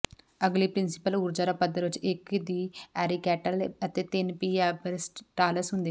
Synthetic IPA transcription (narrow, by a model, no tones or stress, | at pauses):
ɐɡlipɾinsi̥pəluːɾd͡ʒaːɾapɐd̪ɐɾut͡ʃːekd̪iːɛːɾikɛːʈəlɐt̪et̪ɪnpiːɛːbɐɾesʈʈaːlɐɾsɦũnd̪i